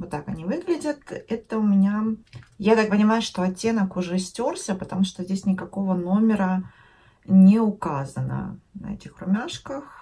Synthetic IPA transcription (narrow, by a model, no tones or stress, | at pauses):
vot̪ːakɐnʲivɨɡlʲɪdʲət̪ɛt̪əʊmʲɪnʲajat̪ak̚pənʲɪmajʊʂt̪o̞ɐtʲːe̞nəkʊʐɛsʲtʲorsʲəpət̪ɐmuʂt̪ozʲdʲesʲnʲɪkɐko̞vəno̞mʲɪɾə | nʲɪʊkazənə̰nɐ̰ɛ̰tʲɪxrʊmʲaʂkəx